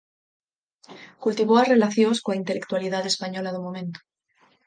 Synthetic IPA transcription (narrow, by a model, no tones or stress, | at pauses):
kult̪iβoare̞laθjoskoaint̪e̞lek̚t̪waliðaðe̞spaɲo̞laðomõmẽ̞nt̪o̥